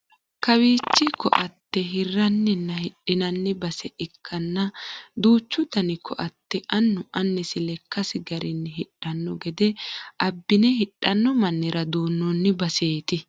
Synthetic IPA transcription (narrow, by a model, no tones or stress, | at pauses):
kɐwiːt͡ʃːɪkɔ̰ʔɐt̪ːɛɦɪrːɐnːɛnːɐhɪɗːɪnɐnːɪbɐsɛʔɪkʰːɐnːɐd̪uːt͡ʃːʊd̪ɐnɪkʰɔʔɐt̪ːɛʔɐnːʊʔɐnːɛsɪlɛkːɐsɪɡɐɾɪnːɪɦɪᶑɐnːɔɡɛd̪ɛʔɐbːɪnɛhɪᶑːɐnːɔmɐnːɪɾɐd̪uːnːɔnːɪbɐse̞ːt̪ɪ